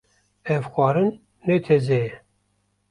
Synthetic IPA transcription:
ɛvxʷɑːɾɨnː | et̪ʰezejɛ

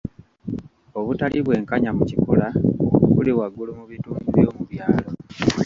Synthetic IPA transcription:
oβutaliβwe̞ːŋkaɲamucikulaokukuliwaɡulumuβituːɲɡiβjoːmuβjaːlo̞

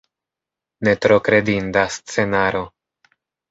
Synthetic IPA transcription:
ne̞tɾo̞kɾe̞dindast͡se̞naɾo̞

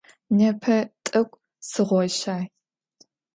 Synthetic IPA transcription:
nɐpʰɐtʼɐkʷʼ | sɨʁʷɔɕaːj

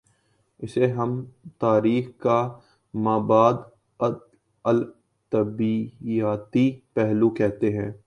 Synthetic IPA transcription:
ɪseɦɐmt̪aːɾiːxka | maːbaːd̪ | əl | t̪ɐbiaːt̪ipɛɦlukɛɦt̪eɦɛ̃ː

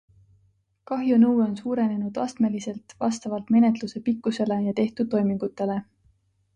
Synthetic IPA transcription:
kɑɦjunɤwo̞nsuːɾe̞ne̞nud̪̥ɑ̰st̪me̞lise̞lt̪vɑ̰st̪ɑvɑlt̪me̞ne̞t̪luse̞pikːˑuse̞le̞jɑt̪e̞ht̪ud̪̥̚ːo̞jmiŋɡ̥ut̪ːˑe̞le̞

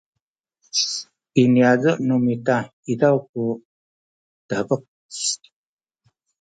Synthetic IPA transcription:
iniazɔʔnumita | idawk̚u | t̪əbək̚

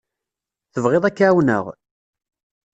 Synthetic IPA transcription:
θəvʁeðˤækːʕawnə̰ʁ

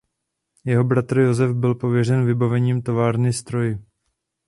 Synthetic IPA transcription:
jɛɦo̞bɾat̪r̩jo̞zɛfbɪlpo̞vjɛr̝ɛnvɪbavɛɲiːmt̪o̞vaːɾnɪst̪ɾo̞jɪ

